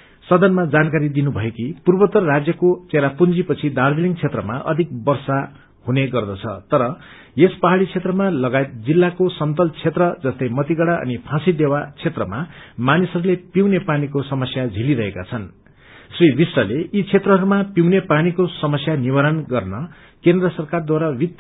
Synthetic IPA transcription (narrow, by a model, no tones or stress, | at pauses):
sʌd̪ʌnmad͡zankaɾid̪inubʱʌjekipurbʌt̪ʌrːad͡zjʌkot͡seɾapund͡zipʌt͡sʰid̪aɾd̪iliŋt͡sʰet̪rʌma̰ʔʌ̰d̪ʱik̚bʌrsa | huneɡʌrd̪ʌt͡sʰʌt̪ʌɾʌ | jespʌɦaɽit͡sʰet̪rʌmalʌɡaet̪̚d͡zilːakosʌnt̪ʌlt͡sʰet̪rʌd͡zʌst̪ʌjmʌt̪iɡʌɽaʌ̰nipʰãsid̪ewat͡sʰet̪rʌmamanisʌɾulepiwnepanikosʌmʌsjad͡zʱiliɾʌɦekat͡sʰʌn | sribisrʌleʔit͡sʰet̪rʌɦʌɾumapiwnepanikosʌmʌsjanibaɾʌnɡʌrnʌ | kend̪rʌsʌrkard̪waɾabit̪